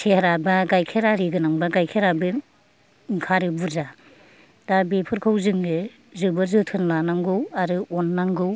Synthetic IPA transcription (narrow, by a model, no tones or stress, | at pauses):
sʰehɾabaɡajkʰeɾaɾɯɡɯnaŋbaɡajkʰeɾabɯ | ŋkʰaɾɯbuza | d̥abepʰɯɾkʰɯwzɯŋɡɯ | zɯbɯzɯtʰɯnlanaŋɡɯwaɾɯɔnːaŋɡɯw